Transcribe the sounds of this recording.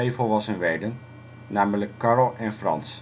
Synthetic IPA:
ejvəlˠʋɑsənʋɛdən | naːmələkːɑrlˠɛnfrɑ̰ns

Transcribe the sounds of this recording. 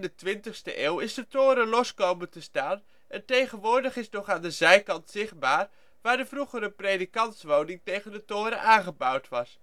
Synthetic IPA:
ndətʋɪntəχstə̰ʔeːlˠɪsdətoːɾəlɔskowməntəstaːn | ɛntejχənʋʊːɹdəχɪsnɔχaːndəzɛjkɑntsɪχ̚baːr | ʋaːɹdəvruχəɾəprejdikɑntsʋownɪŋtejɣəndətoːɾəʔaːnχəbʌwtʋɑs

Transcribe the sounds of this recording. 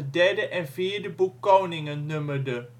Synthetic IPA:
d̪ɛdəʔɛnfeːɖəbukːownɪŋənːʉmədə

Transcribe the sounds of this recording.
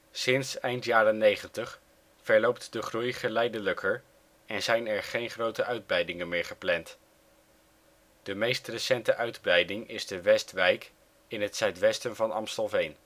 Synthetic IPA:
sɪnsɛjntjaːɾənejχəntəχ | fɛɹlowp̚tdəχrujχəlɛjdələkʰəɹ | ɛnzɛjnɛɹχejnχrowtəʔœɥd̚brɛjdɪŋənmɪːɹχəplɛnt | d̥əmejstrəsɛntəʔœɥdbrɛjdɪŋɪzdəʋɛstʋɛjk | ɪnɦətsœɥtʋɛstənvɑnɑ̰msəlˠvejn

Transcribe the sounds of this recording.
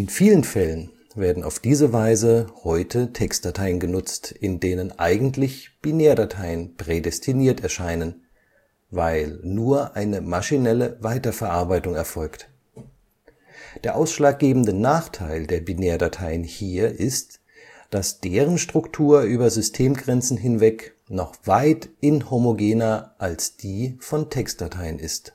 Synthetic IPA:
ʔɪnfiːlənfɛlən | veːɐdn̩a̰ʊfd̥iːzəvaɪzəhɔʏtʰətʰɛkst̚d̥atʰaɪənɡənʊt͡stɪndeːnənʔaɪɡŋ̩tlɪçb̥ineːɐdatʰaɪənpʁ̥edɛstʰiniːɐtɛɐʃaɪnən | vaɪlnuːɐʔaɪnəmaʃinɛləvaɪtɐfɛɐʔaɐbaɪtʊŋɛɐfɔlkt | d̥eːɐʔaʊsʃlaːk̚ɡ̥eːbm̩dənaːχtʰaɪldeːɐbineːɐdatʰaɪənhiːɐʔɪst | d̥asd̥eːʁ̞ənʃtʁ̥ʊktʰuːɐʔyːbɐzʏstʰeːmɡʁɛnt͡sn̩ɦɪnvɛk | nɔχv̥aɪtʔɪnhomoɡeːnɐʔalsd̥iːfɔntʰɛkstd̥atʰaɪənɪst

